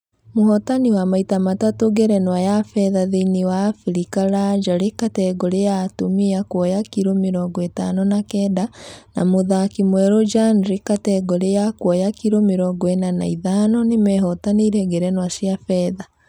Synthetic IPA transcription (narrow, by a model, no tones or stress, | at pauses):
mohɔtaniwamaitamatatoɡɛɾɛnwajafɛðaðeiniwafiɾikaɾad͡ʒaɾekatɛɡɔɾejatomiakwɔjakiɾomeɾɔɡɔetanɔnakɛːdana̰moðakimwɛɾod͡ʒanɾikatɛɡɔɾejakwɔjakiɾomeɾɔɡɔɛnana̰iðanɔnemɛɦɔtaniɾɛɡɛɾɛnwasiafɛða